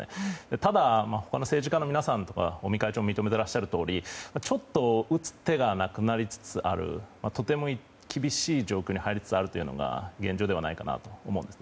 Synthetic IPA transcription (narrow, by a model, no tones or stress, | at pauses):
ḛd̪et̪ad̪amaho̞kano̞se̞ːʑikãnːominasãnt̪o̞ka̰o̞mʲikait͡ɕoːmːmit̪o̞me̞t̪e̞ɾaɕiɕaɾɯ̟t̪o̞ːɾʲimat͡ɕo̞t̪ːo̞ɯ̟t͡sɨ̥t̪e̞ɡanakɯ̟naɾʲit͡sɨ̥t͡sɨʔa̰ɾɯ̟̰mat̪o̞t̪e̞mo̞i | kʲʰibʲiɕiːʑo̞ːkʲoːɲihaiɾʲit͡sɨ̥t͡sɨaɾɯ̟t̪o̞jiɯ̟no̞̰ɡa̰ɡẽ̞ɲ̟d͡ʑo̞ːd̪e̞βanaikana̰t̪o̞oːmo̞ɯ̃nd̪sɨn